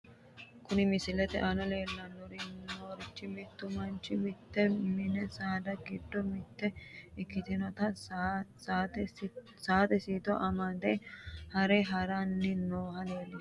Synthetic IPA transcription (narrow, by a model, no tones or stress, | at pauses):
kʊnɪmɪsɪlɛt̪ɛ̰ʔɐnɐleːlːɐnːɔɾɪnoːɾɪt͡ʃːɪmɪt̪ːʊmɐnt͡ʃːɪmɪt̪ːɛmɪnɛsaːd̪ɐɡɪd̪ːɔmɪt̪ːɛɪkːɪt̪ɪnɔt̪ɐ | t̪ | saːt̪ɛsiːt̪ɔʔɐmɐd̪ɛhɐɾɛɦɐɾɐnːɪnoːhɐleːlːɪ